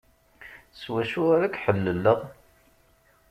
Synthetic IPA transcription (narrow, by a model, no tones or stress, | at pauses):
swæʃʊaɾækħəlːəlːəʁ